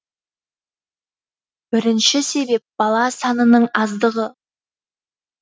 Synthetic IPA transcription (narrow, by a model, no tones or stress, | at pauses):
b̥ɪɾɪnʃɪse̞be̞p̚b̥ɑlˠɑsɑnənəɴɑzd̪əʁə